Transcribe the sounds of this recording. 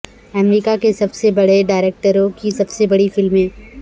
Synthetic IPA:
ɛmɾikakesɐbsebɐɽeɖaːɪɾeːk̚ʈəɾõkisɐbsebɐɽifɪlmẽː

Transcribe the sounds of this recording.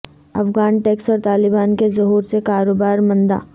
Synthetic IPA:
ɐ̰fɡaːnʈɛːksɔːɾt̪aːlɪbaːnkezɐɦuːɾsekaːɾoːbaːɾmɐ̃nd̪a̰ː

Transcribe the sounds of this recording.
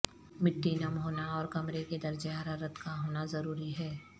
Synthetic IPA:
mɪʈːinɐmɦoːnaɔːɾkɐmɾeked̪ɐɾd͡ʒeɦaɾaɾət̪kaɦoːnazɐɾuːɾiɦɛː

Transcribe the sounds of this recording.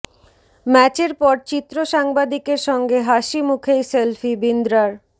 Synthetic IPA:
mɛt͡ɕeɾpɔɾt͡ɕit̪ːɾoʃaŋbad̪ikeɾʃɔŋɡeɦaʃimukʰejselfibind̪ɾaɾ

